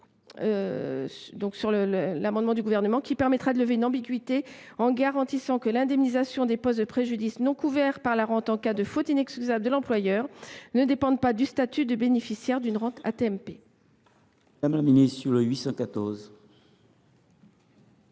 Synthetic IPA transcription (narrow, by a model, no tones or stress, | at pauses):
sd̪ɔ̃ksyʁlələlamɑ̃d̪mɑ̃d̪yɡuvɛʁnəmɑ̃kʲipɛʁmɛt̪χad̪ələveynɑ̃biɡɥit̪e | ɑ̃ɡaʁɑ̃t̪isɑ̃kəlɛ̃d̪ɛmnizasjɔ̃d̪epɔst̪d̪əpχeʒyd̪isnɔ̃kuvɛʁpaʁlaʁɑ̃t̪ɑ̃kad̪əfot̪inɛkskʲyzabld̪əlɑ̃plwajœːʁnəd̪epɑ̃d̪pad̪yst̪at̪yd̪əbenefisjɛʁd̪ynʁɑ̃t̪ʰa̰t̪eɛmpe | amlaminissyʁləɥisɑ̃kat̪ɔʁz